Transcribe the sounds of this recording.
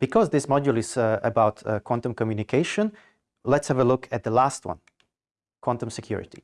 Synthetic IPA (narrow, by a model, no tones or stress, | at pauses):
b̥ikʰɔzðɪsmɔd͡ʒul̩ˠɪzə̰baʊtkʰwɑ̃ntə̃mkɔmjʉnɪkʰeɪʃə̃n | lɛtshɛvəlʊkʰɨt̪̚ðəlast̚wʌ̰̃n | kʰwɑ̃ntə̃msɛkʰj̥ṵɹɪ̰t̪ḭ